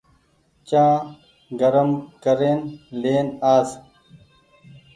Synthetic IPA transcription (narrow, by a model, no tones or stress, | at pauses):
t͡ɕãː | ɡəɾəmkəɾeːnleːnaːz